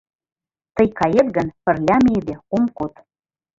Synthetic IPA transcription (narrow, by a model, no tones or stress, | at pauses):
t̪ə̆jkɑjet̪ɡə̆npə̆rlʲæmed̪ĕkomkot̪